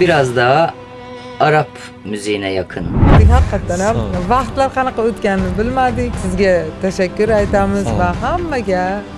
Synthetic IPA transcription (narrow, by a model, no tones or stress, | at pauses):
biɾɑzd̪ɑ | ɑɾɑp | myzijinɛjɑqʰɯnʲhɑqʰːɑt̪ːanhæmvɑχt̪lˠaɾqʰɑnɑqɑøt̪kʲænɪnɪbɪlmæd̪ɪkʲsɪzɡʲɛt̪ʰæʃækʲːyɾɑjt̪ʰamɪzvɛɦamːæɡʲɛ